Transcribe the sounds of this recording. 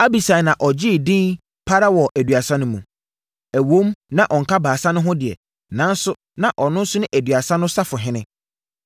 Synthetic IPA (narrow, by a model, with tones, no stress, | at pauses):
a˦bi˨sa˨nã˨ʔɔ˨d͡ʑɪ˦˨dĩ˦n | pʰa˦ɾa˦wɔ˨ʔæ˨dɥa˨sã˦nʊ̃˦mũ˨ | æ˨wõ˦mnã˦ʔɔ˨ŋ̩˨kʰa˦baː˨sã˦nʊ̃˦ɦʊ̃˦dɪ˨ɛ̰˨ | nã˨˦n̩˦sʊ˦ | nã˨ʔɔ˨nʊ̃˦n̩˦sʊ˦nʊ̃˦ʔæ˨dɥa˨sã˦nʊ̃˦sa˦fʊ˨ɦɪ̃˦nɪ̃˦